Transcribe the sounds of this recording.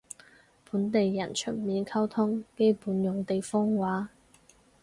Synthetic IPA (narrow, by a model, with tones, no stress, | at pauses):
puː˨˥nt̪e˨jːɐ̰˨˩nt͡ʃʰɵ˥˩t̚miː˨nkʰɐ˥wt̪ʰʊ˥ŋke˥jpuː˨˥njʊ˨ŋt̪e˨jfɔː˥ŋwaː˨˥